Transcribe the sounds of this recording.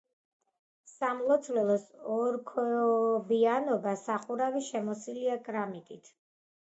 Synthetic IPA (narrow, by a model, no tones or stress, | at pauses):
samlˠɔt̪sʰvlɛlˠɔsɔɾkʰɛɔbianɔbasaχuɾaviʃɛmɔsiliakʼɾamit̪ʼit̪ʰ